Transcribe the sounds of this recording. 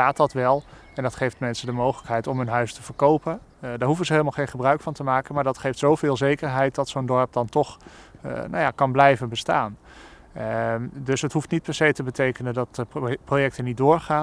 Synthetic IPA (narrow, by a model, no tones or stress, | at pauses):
aːt̚dɑtʋɛlˠ | ɛndɑtχejftmɛnsədəmowχələkɦɛjtɔmɦɵnɦœɥstəv̥əɹkowpən | daːɹɦufəzəɦejləmalˠχejnχəbrœɥkfɑntəmaːkənmaːɹdɑtχejftsowvɪːlˠzejkəɹɦɛjt̚dɑtsowndɔɹp̚dɑntɔχ | na̰wjaːkɑnblɛjvənbəsta̰ːn | dɵsɦətɦuftnit̚pɛɹsejtəbətejkənəndɑt̚əprojɛk̚tənit̚dʊːɹχaː